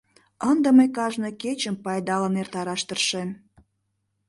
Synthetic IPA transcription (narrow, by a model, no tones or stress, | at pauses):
ənd̪ə̆məjkɑʒnəket͡ɕəmpɑjd̪ɑlənert̪ɑɾɑʃt̪ərʃen